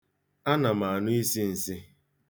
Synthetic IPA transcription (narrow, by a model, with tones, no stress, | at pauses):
a˦na˨ma˨a˨nʊ˦i˦si˦n̩˨si˦